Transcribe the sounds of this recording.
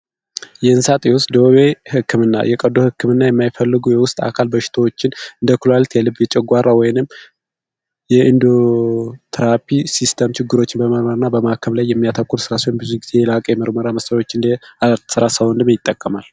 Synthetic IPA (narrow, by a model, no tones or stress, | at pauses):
jɛɨnsat̪ʼijosd̪oβehɨkːɨmɨnːa̰jɛkʼəd̪ohɨkːɨmɨnːajɛmːajfəlːɨɡujɛwʊst̪ʼa̰kʰalbəʃɪ̥t̪ʰəwot͡ʃːɪnɨnd̪əkʰulalt̪jɛlɨbjɛt͡ʃʼɛɡʷaɾːawɔjɪnɨm | jɛʔɨnd̪ot̪ʰɨɾapʰisist̪ʰəmt͡ʃʰɪɡːɨɾo̞t͡ʃːɪnbəməɾməɾɨnːabəmahakʰəβlajːɛmːijat̪ʰəkːuɾsɨɾaswonbɨzuɡizejɛlakʼjɛməɾməɾaməsəjo̞t͡ʃːɨnd̪asɨɾasəwond̪ɨmjɪt̪ʼːəkʼːəmal